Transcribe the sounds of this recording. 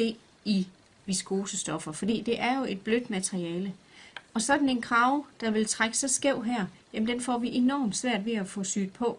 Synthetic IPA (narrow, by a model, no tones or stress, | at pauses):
e̝̰ | i | ʋisɡ̥o̝ːsəsd̥ɒ̽fɐfɒ̽d̥ḭːd̥e̝ʔæɐjo̝e̝d̥̚b̥lød̥mæt͡sʰʁiɛːlə | ɒ̽sɒ̽d̥n̩e̝nkʰʁɑ̈ʊd̥ɑ̈ʋe̝lt͡sʰʁaɡ̥ə̥sɑsɡ̥eʊ̰ɦæɐ̰ | jæmn̩d̥enfɒ̰ʋiʔe̝nɒ̰ːmd̥sʋæɐ̰d̥ʋe̝æfɔ̽sy̰ːd̥̚pʰɒ̽